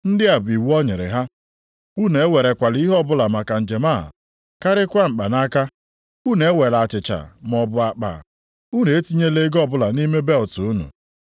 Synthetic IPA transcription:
n̩˦dɪ˦a˨bi˨wu˦ɔ˦ɲɪ˨ɾɪ̰˨ɦa˦ | u˦ne˨˦we˨ɾe˨kʷa˨li˦i˦ɦɔ˦˨bʊ˦la˨ma˨ka˨n̩˨d͡ʒe˨ma̰˦˨ | ka˦ɾɪ˦kʷa˦m̩˨k͡pa˨na˦ka˦ | u˦ne˨˦we˨la˨t͡ʃɪ˨t͡ʃa̰˨m˨ɔ˨bʊ˨a˨k͡pa̰˨ | u˦ne˨e˦ti˦ɲe˦le˦ɡɔ˦˨bʊ˦la˨ni˦me˦be˦˨ltʊ˨u˦nṵ˨

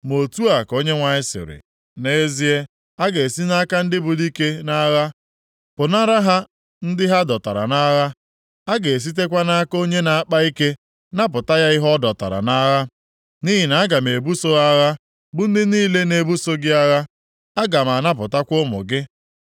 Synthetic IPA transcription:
mo˨tu˦a˨ko˦ɲe˦ŋʷa˨ɪ˦sɪ̰˨ɾɪ̰˨ | ne˦e˦zi˦e˦ | a˦ɡe˨si˦na˦ka˦n̩˦dɪ˦bʊ˨di˦ke˦na˦ɣa˦ | pʊ˨na˦ɾa˦ɦa˦ | n̩˦dɪ˦ɦa˦dɔ˨ta̰˨ɾa̰˨na˦ɣa˦ | a˦ɡe˨s̬i˦t̬e˦kʷa˦na˦ko˦ɲe˦na˨a˦k͡pa˦i˦ke˦ | na˦p̬ʊ˨ta˦ja˦ɪ˦ɦɔ˦dɔ˨ta̰˨ɾa̰˨na˦ɣa˦ | ni˦ɦi˨na˨˦ɡa˨me˨bu˦so˦ɣa˦ɣa˦ | bʊ˦n̩˦dɪ˦niː˦le˦ne˦bu˦so˦ɡɪ˦a˦ɣa˦ | a˦ɡa˨m˨a˨na˦p̬ʊ˨ta˦kʷʊ˦mʊ̰˨ɡɪ˦

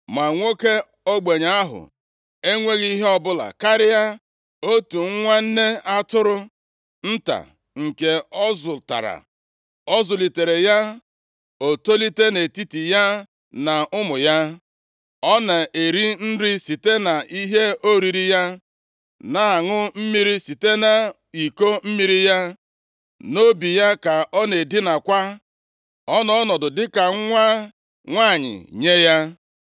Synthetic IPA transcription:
ma˨ŋʷo˦ke˦ | o˦ɡ͡be˨ɲa˦a˦ɦʊ̰˨ | e˦ŋʷe˦ɣi˦ɦe˦ɔ˦bʊ˦la̰˨ka˦ɾɪ˦ja˦ | o˦tu˨ŋ̩˦ŋʷa˦n̩˦ne˦a˦tʊ˦ɾʊ˦ | n̩˦ta̰˨ | ŋ̩˨ke˨ɔ˦zʊ˨ta̰˨ɾa̰˨ | ɔ˦zʊ˨li˨te˨ɾe˨ja˦ | o˨to˦li˦te˦ne˨ti˦ti˨ja˦ | na˨ʊ˦mʊ˨ja˦ | ɔ˦na˨ʔe˨ɾi˦n̩˦ɾi˦si˨te˦na˨i˦ɦe˦o˦ɾi˨ɾi˦ja˦ | na˨a˨ŋʊ˦m̩˦mi˦ɾi˦si˨te˦na˨ | i˨ko˦m̩˦mi˦ɾi˦ja˦ | no˦bi˨ja˦ka˨ɔ˦ne˨dɪ˦na˨kʷa˦ | ɔ˦nɔ˨ɔ˦nɔ˨dʊ˨dɪ˦ka˨˦ŋʷa˦ | ŋʷa˦˨ɲɪ̰˨ɲe˦ja˦

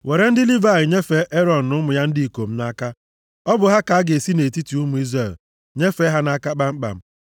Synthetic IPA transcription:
we˨ɾe˨˦n̩˦dɪ˦li˦va˦˨ɪ˨ɲe˦fe˦ʔe˦ɾɔ˨n̩˨nʊ˦mʊ˨ja˦n̩˦di˦i˨ko˨m̩˦na˦ka˦ | ɔ˦bʊ˨ɦa˦ka˨a˦ɡe˨si˦ne˨ti˦ti˨u˦mu˨i˦zɾe˨l | ɲe˦fe˦ɦa˦na˦ka˦k͡pa˦ŋ͡m̩˦k͡pa̰˨m̩˦

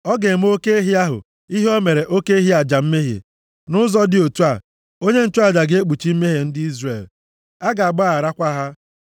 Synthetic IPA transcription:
ɔ˦ɡe˨m̩˦o˦ke˦e˦ɦi˦a˦ɦʊ̰˨ | i˦ɦi˦o˦me˨ɾe˨ʔo˦ke˦e˦ɦi˦a˨d͡ʒa˨m̩˦me˦ɦḛ˨ | nʊ˦zɔ˦dɪ˦˨o˨tu˦a˨ | o˦ɲe˦n̩˦˨tu˦a˦˨d͡ʒa˨ɡe˦k͡pu˨t͡ʃi˦m̩˦me˦ɦe˨n̩˦dɪ˦i˦zre˨l | a˦ɡa˨a˨ɡ͡ba˦˨a˨ɾa˦kʷa˦ɦa˦

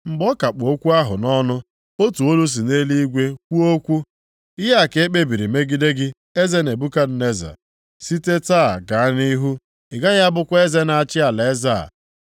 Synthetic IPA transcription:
ŋ͡m̩˨ɡ͡bɔ˦ka˨k͡po˦kʷu˦a˦ɦʊ̰˨nɔ˦nʊ˦ | o˦tu˨o˦lu˦s̬i˨ne˦li˦i˦ɡʷe˦kʷu˦o˦kʷu˦ | ɪ˦ɦa˦a˦˨ke˨˦k͡pe˦bi˨ɾi˨me˦ɡi˦de˦ɡɪ˦ | e˦ze˦ne˨bu˦ka˦d̩˦ne˦za̰˨ | si˦te˦ta˦˨ɡa˨a˦ni˦ɦu˦ | ɪ˨ɡa˦ɣa˦bʊ˦kʷe˦ze˦na˨a˨t͡ʃɪ˦a˨le˨˦za̰˨

